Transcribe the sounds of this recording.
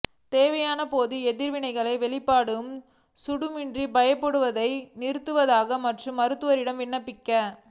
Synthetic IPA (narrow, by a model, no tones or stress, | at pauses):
t̪eːʋɐjaːnɐpoːðɯɛðɪɾʋɪnɐɪɣɐɭɐɪʋɛɭɪpːaːɽɯɯm | sʊɽɯmɪndribɐjɐpːɔɽɯʋɐðɐɪnɪɾɯt̪ːɯʋɐðaːɣɐmɐʈrɯmːɐɾɯt̪ːɯʋɐɾɪɽɐmʋɪɳːɐpːɪkːɐ